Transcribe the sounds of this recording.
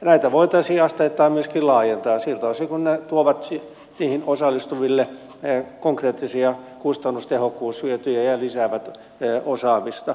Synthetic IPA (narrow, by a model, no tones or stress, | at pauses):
næit̪æʋoit̪ɑisiːɑst̪eit̪ːɑːmmyøskilɑːjent̪ɑːsilt̪oɑsiːkunnet̪uoʋɑt̪i | niːhinosɑlːˑist̪uʋilːe | koŋkreːt̪ːisiɑkust̪ɑnːust̪ehokːuːsyøt̪yjæjɑlisæːʋæt̪ː | osɑːmist̪ɑ